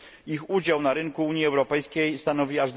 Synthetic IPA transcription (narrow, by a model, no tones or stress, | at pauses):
ixud͡ʑawnaɾɘŋkuuɲjiɛwɾɔpɛjskʲejst̪anɔvʲiaʐd̪